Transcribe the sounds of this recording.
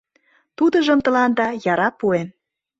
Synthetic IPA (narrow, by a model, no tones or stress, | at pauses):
t̪ud̪ɤ̆ʒə̆mt̪ɤ̆lɑnd̪ɑjɑɾɑpuen